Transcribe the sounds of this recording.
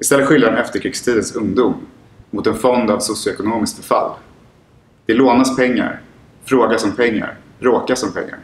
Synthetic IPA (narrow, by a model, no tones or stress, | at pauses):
ɪst̪ɛlːəɧɪld̪ɾaɾɛnɛft̪əɾkʰɾɪːkst̪ʰiːd̪ənsɵŋd̪ʊmː | mʊt̪ɛnfɔnd̪avsʊsjʊɛkʊnoːmɪsk̚bɛfa̰lː | d̪̥ɛloːnaspʰɛŋːa̰ɾ | fɾoːɡasɔmpʰɛŋːa̰ɾb̥ɾoːkasɔmpʰɛ̰ŋːa̰ɾ